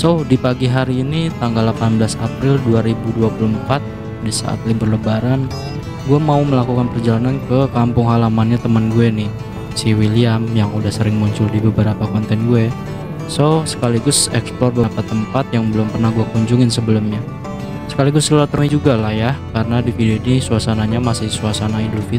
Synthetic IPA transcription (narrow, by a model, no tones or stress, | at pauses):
sodipaɡiɦaɾiːnit̪aŋɡalːapanbəlasapɾɪlduaɾibuduapuluəmpat̪̚ | disa̰ʔa̰t̪libʊrləbaɾan | ɡuɛmauməlakukanpərd͡ʒalanankəkampʊŋɦalamanɲat̪əmənɡuɛnɪ | siwiliamjaŋudahsəɾɪŋmuɲt͡ʃʊldibəbəɾapakɔnt̪ɛnɡuɛ | sosə̥kaliɡʊsɛ̰ksplɔrbəpat̪əmpat̪̚jaŋbəlʊmpərnahɡuɛkuɲd͡ʒʊŋɪnsəbəlʊmɲa | sə̥kaliɡʊsəulat̪əɾuŋid͡ʒuɡalahjakaɾənadifideoidisuasanaɲamasɪhsuasanaindufi